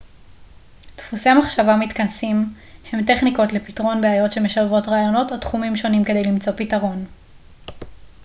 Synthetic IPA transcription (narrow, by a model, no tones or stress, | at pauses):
tfuse̞amaχʃavamitkansim | he̞mte̞χniko̞tle̞pitʁo̞nbeajo̞tʃe̞meʃaʁevo̞tʁaːjo̞no̞totχumimʃo̞nimke̞d̪e̞jlimt͡so̞pitaʁo̞n